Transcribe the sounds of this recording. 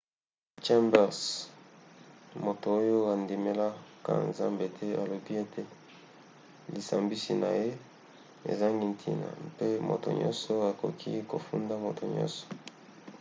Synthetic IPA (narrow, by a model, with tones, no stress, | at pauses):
t͡ʃɛ˦mbɛ˨s | mo˨to˨o˦jo˦a˨ndi˨me˦la˦ka̰˦˨nza˦mbe˨tʰe˦a˨lo˨bi˦e˦tʰe˦ | li˨sa˨mbi˦si˨na̰˨je˦ | ḛ˨za˦ŋɡi˦n˨tʰi˦na̰˨mpe˦mo̰˨to̰˨ɲɔ̰̃˦nsɔ˦a˨ko˨kʰi˦ko˨fu˦nda˦mo˨tʰo˨ɲɔ̰̃˦nsɔ̥˨